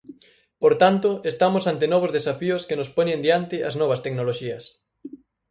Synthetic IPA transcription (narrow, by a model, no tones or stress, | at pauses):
poɾt̪ant̪ʊest̪amosant̪enɔβozðesafioskenʊspoɲẽnd̪jant̪ɪʔɐznɔβ̞ɐst̪eknoloʃiɐs